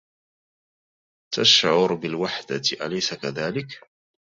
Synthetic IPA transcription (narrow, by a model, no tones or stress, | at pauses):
t̪aʃʕʊɾbɪlwaħd̪aʔalajsakaðaːlɪk